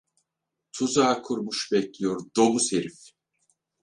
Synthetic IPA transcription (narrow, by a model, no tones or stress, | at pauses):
t̪ʰuzaːkʰuɾmuʃbɛclʲijoɾd̪obusheɾif